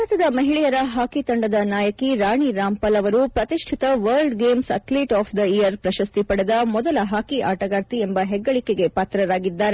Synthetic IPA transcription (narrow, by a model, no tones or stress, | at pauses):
ɐt̪ɐd̪ɐmɐɦiɭɛjɐɾɐɦaːkit̪ɐɳɖɐd̪ɐnaːjɐkiɾaːɳiɾaːmpɐlɐʋɐɾupɾɐt̪iʂʈʰit̪ɐʋɐɾlɖɡeːmsɐ̰t̪liːʈaːpʰd̪ɐijɐɾpɾɐʃɐst̪ipɐɽed̪ɐmɔd̪ɐlɐɦaːkiʔaːʈɐɡaːɾt̪iembɐɦɛɡːɐɭikeɡe̞paːt̪ɾɐɾaːɡid̪ːaːɾe